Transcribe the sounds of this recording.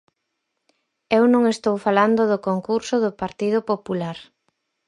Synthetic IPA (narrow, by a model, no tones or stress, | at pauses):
ewnõŋest̪owfaland̪ʊðʊkoŋkuɾsʊðʊpaɾt̪iðʊpopulaɾ